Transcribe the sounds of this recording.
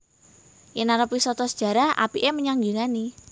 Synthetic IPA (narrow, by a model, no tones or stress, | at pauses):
jənaɾəpisɔt̪ɔsə̥d̥ʒ̥ä̤ɾahʔa̰piʔeməɲaŋɡiŋani